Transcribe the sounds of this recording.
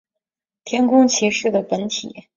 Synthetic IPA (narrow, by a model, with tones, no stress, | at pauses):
t̪ʰjɛ˥nkʊ˥ŋt͡ɕʰi˧˥ʂɻ̩˥˩d̪ə˩pə˧˥nt̪ʰḭ˨˩˦